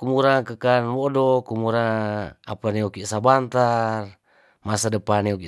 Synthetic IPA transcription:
kumuɾakəkanwodokumuɾaapaneokisabant̪ar | masadəpaneoki

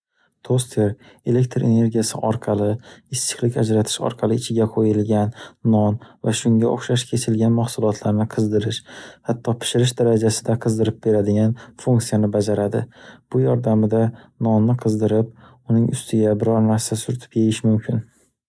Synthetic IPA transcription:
t̪ʰost̪ʰe̞ɾ | e̞le̞k̚ʲt̪ʰɾene̞ɾɡʲijasɪʔɒɾqʰɑlɪɪst͡ʃɪ̥χlˠɪkʲad͡ʒɾat̪ʰɪ̥ʃɒ̰ɾqʰɑlˠɪɪt͡ʃʰɪɡʲaqʰojɪlɡʲanːɒnvaʃʊŋɡʲaʔo̰χʃaʃkʲʰe̞t͡ʃʰɪlɡʲanmahsʊlˠɒt̪ʰlaɾnɪqʰɨzd̪ɪɾɪʃhat̪ʰːɒpʰɪ̥ʃɪɾɪʃd̪aɾad͡ʒasɪd̪aqʰɨzd̪ɪɾɪp̚be̞ɾad̪ɪɡʲanfuŋkt̪sijanɪbad͡ʒaɾad̪ɪ̰b̥ʊjɒɾd̪amɪd̪anɒnːɪqʰɨzd̪ɪɾɪp̚ | ʊnɪŋʔʊst̪ʰɪɡʲabɪɾɒɾnaɾsasʊɾt̪ʰɪ̥pjejɪʃmʊmkʲʰɪn

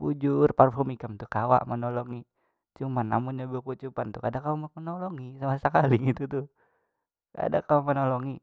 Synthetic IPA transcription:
bud͡ʒurparfɔrmikamt̪ukawa̰ʔmənɔlɔŋi | t͡ʃumanːa̰munɲabəkut͡ʃupant̪ukadakawaamənɔlɔŋisamasəkaliɡit̪ut̪ʊ | ka̰dakawamənɔlɔŋi

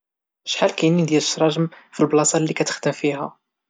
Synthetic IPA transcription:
ʃħalkæjnind̪jæləʃɾˤɑʒəmfilblɑsˤɑlːikæt̪ə̥xd̪əmfiɦæ

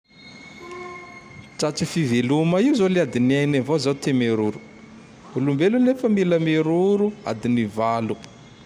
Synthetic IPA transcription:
ʈ͡ʂaʈ͡ʂifivelumaiuzoliad̪iniajnavozawt̪emeɾuɾu̥ | ulumbelunefəmiləmeɾuɾua̰d̪inivalu

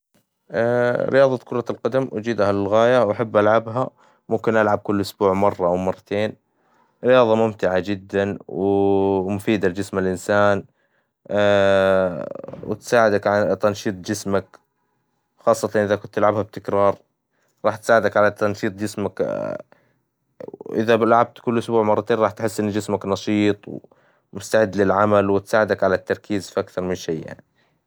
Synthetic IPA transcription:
ʔɾɪ̰jɑːðˤɑt̪kʰʊɾˤɑlqɑd̪amʔad͡ʒiːd̪halɪlɣaːjawaħabːʔalʕabɦa | mʊmkɪnʔalʕab̚kʊlːʔʊsbuːʕmɑrˤːɑʔawmɑrˤːɑt̪ʰeːn | ɾɪjɑːðˤɑmʊmt̪ɪʕad͡ʒɪd̪ːanwɪmʊfiːd̪ald͡ʒɪsmɪlʔɪnsaːn | wɪ̰t̪saːʕɪd̪akʕat̪ɑnʃiːt̪ˤd͡ʒɪsmak | xɑːsˤːɑt̪ɑnʔɪðakʊnt̪ːɪlʕabhab̚t̪ɪkɾˤɑːɾˤ | ɾˤɑːħt̪saːʕɪd̪akʕalat̪ɑnʃiːt̪ˤd͡ʒɪsmak | ʔɪ̰ðablʕab̚t̪kʊlːʔʊsbuːʕmɑrˤːɑt̪eːnˤɑːħt̪ħɪsːʔɪnːd͡ʒɪsmaknɑʃiːt̪ˤw | mʊst̪aʕɪd̪ːlɪlʕamalwɪt̪saːʕɪd̪akʕalat̪ːɑɾˤkiːzfiʔakθɑɾˤmɪnʃejːja̰ʕni

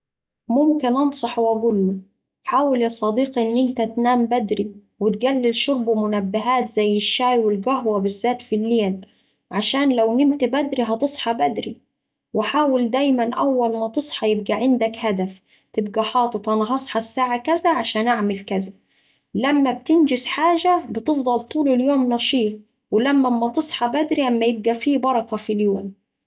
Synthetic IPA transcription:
mʊmkɪnʔɑnsˤɑħwæɡulːʊ | ħaːwɪlɑsˤɑd̪iːqʔɪnːʔɪnt̪at̪naːmbæd̪ɾi | wɪt̪̚ɡælːɪlʃʊɾˤbmʊnabːɪɦaːt̪zajːɪʃːaːjwɪlɡæɦwabɪzːaːt̪filːeːl | ʕaʃaːnlawnɪmt̪abæd̪ɾiɦɑt̪ɨsˤħɑbæd̪ɾi | wɪħaːwɪld̪æːjmanʔawːælmæt̪ɨsˤħɑjɪb̚ɡaʕɪnd̪akhad̪af | t̪ɪb̚ɡaħɑːt̪ˤɨt̪ˤʔɑnɑɦɑsˤħɑsːaːʕakæzaʕaʃaːnʔaʕmɪlkæza | lamːæb̚t̪ɪnd͡ʒɪsħaːʒabɪt̪ɨfd̪ˤɑlt̪ˤuːlɪljoːmnɑʃiːf̚ | wɪlæmːæmːæt̪ɨsˤħɑbæd̪ɾilʔamːæjɪb̚ɡæfiːbɑɾˤɑkɑfiljoːm

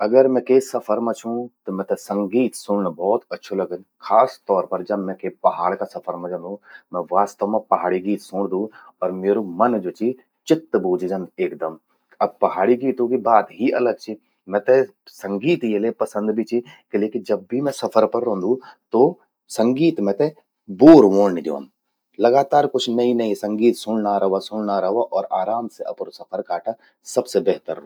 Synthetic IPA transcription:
ɐɡəɾmɛ̃kʰeːsɐfʰəɾmɐ̃t͡ʃʰũt̪ɐmɛ̃t̪ɐsɐ̃ŋɡiːt̪sʊ̃ɽ̃ɪɽ̃bɔːt̪ɐtːʃʰolɐɡə̃nkʰaːst̪ɔːɾpɐɾd͡ʒɐbmɛ̃kʰeːpɐɦaːɽkãsɐfʰəɾmɐ̃d͡ʒə̃nd̪ũmɛ̃ʋaːst̪əʋmãpɐɦaːɽiɡiːt̪sʊ̃ːɽ̃d̪ũɔːɾmeːɾomɐnd͡ʑoːt͡ʃʰi | t͡ʃɪt̪ːbuːd͡ʒʱd͡ʒɐ̃nd̪eːkd̪ɐm | ɐbpɐɦaːɽiɡiːt̪ũkibaːd̪ɦiɐləɡ̚t͡ɕʰi | mɛ̃t̪e | sɐ̃ŋɡiːt̪jelepɐsə̃nd̪bʱit͡ʃʰikeleːkɪd͡ʒɐb̚ːʱimɛ̃sɐpʰəɾpɐɾːõːnd̪ũt̪o | sɐ̃ŋɡiːt̪mɛ̃t̪e | boːɾʋõːnid̪ḛõ̰m | lɐɡaːt̪aːɾkʊt͡ʃʰnɐɦĩnɐɦĩsɐ̃ŋɡiːt̪sʊ̃ɽnaɾɐɦʋasʊ̃ːɽnaɾɐɦaʔɔːɾaːɾaːmseʔɐpnosɐpʰəɾkaːʈa | sɐbsebɛɦt̪əɾːõː

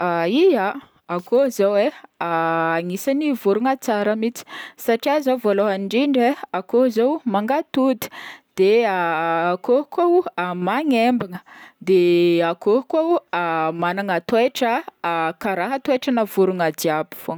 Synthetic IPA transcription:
aija | akozeweaaŋisanivuɾuŋat͡saɾəmit͡si̥saʈ͡ʂiazavoloɦaɳɖ͡ʐiɳɖ͡ʐeakozowmaŋɡat̪ud̪i̥d̪̥eaːkokowamaŋembiŋəd̪eakokowamanaŋat̪weʈ͡ʂəkaɾaɦat̪weʈ͡ʂanəvuɾuŋad̪iabu̥fo

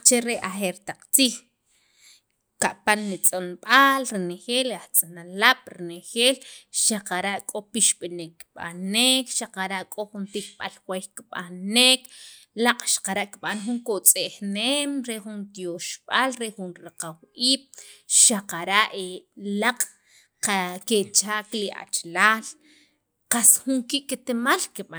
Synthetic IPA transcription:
t͡ʃeɾeʔaxeɾt̪aq͡χt͡siːx | kaʔpanːit͡sʼonɓalɾnexeːlaχt͡sʼanalaɓ̥ɾinexeːlʃaqaɾaʔkʼopiʃɓinekːɓa̰neːkʃaqaɾaʔkʼoxunt̪ik̚ɓalxwexkiɓa̰neːk | laqʼʃḁqaɾaʔkiɓanxuŋkot͡sʼexneːmɾexunt̪joʃɓ̥alɾexunɾaqawiːɓ̥ʃaqaɾaʔelaqʼ | qaket͡ʃaːkliʔa̰t͡ʃlaːl | qasxuŋkiʔkit̪emalkiɓa

